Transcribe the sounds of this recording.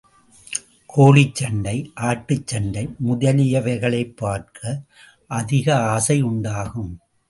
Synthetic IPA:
kʰoːɭɪt͡ʃːɐɳɖɐɪʔaːʈːɯt͡ʃːɐɳɖɐɪmʊðɐlɪjɐʋɐɪɣɐɭɐɪpːaːɾkʰɐ | ʔɐðɪɣɐaːsɐɪʊɳɖaːɣɯm

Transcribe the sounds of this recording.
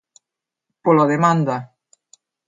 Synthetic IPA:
poloðemand̪a

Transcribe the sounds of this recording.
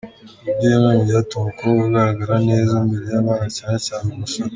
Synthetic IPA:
uɟemaːmijatumakouɡaɾaɡaɾaneːzambeɾe̞jamaːnacaːnecaːnemusaɾ

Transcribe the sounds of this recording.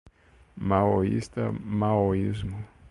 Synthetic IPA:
maoḭst̪a̰maoizmu

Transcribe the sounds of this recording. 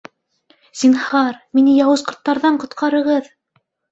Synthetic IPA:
zinhɑɾminɘjɑwɤ̆zqŏɾt̪ːɑɾðɑɴqŏt̪qʰɑɾɤ̆ʁɤð

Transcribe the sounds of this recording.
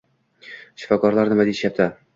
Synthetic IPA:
ʃɪ̥fɒkɒɾlˠaɾnɪmad̪eʃjap̚t̪ʰa

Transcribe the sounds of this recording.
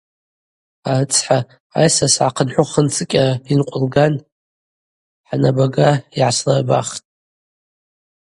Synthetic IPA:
aɨt͡sʰʼħa | a̰jsasʕaqʰənħʷʊχənt͡sʰɨkʲʼainqʷʼʊlɡan | ħanabaɡaiʕaslarba̰χtʼ

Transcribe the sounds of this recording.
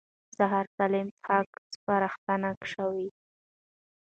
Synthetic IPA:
zaɦaɾkalɪmt̪ʰɑkspaɾaxt̪anakʂawi

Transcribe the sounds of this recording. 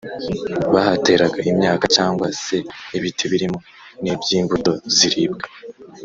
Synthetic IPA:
βahate̞ːɾaɡaʔimɲaːkat͡ʃaːŋɡwase̞ːβitʰeβiɾimo̞ | nibɟiːmbudo̞ziɾib̚ɡe

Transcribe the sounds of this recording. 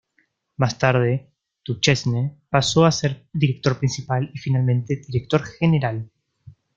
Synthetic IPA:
mast̪aɾð̞e̞ | t̪ut͡ʃesnepaso̞aseɾðiɾe̞k̚t̪o̞ɾpɾinsipalifinalmẽ̞nt̪eðiɾek̚t̪o̞ɾxene̞ɾal

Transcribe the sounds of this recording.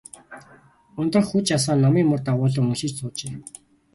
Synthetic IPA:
ʊnt̪ə̆rxut͡ɕjas̬aːnːɔmiːmʊrt̪aʁʊːɮə̆ŋmɵʃĭːt͡ɕt͡sʊːt͡ɕeː

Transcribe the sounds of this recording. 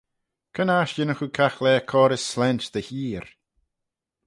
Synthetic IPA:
kʰənaʃjɪnəxukʰaxlɛːkʰɔːɾəsːlɛnt͡ʃd̪əhiːɾ

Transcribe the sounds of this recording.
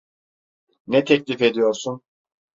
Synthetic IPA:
nɛt̪ʰɛclʲife̞d̪ijo̞ɾsun

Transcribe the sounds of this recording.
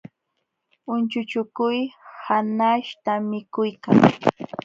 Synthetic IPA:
ʊnt͡ʃʊt͡ʃʊkʊjhanaʃt̪amɪkʊjka̰ŋ

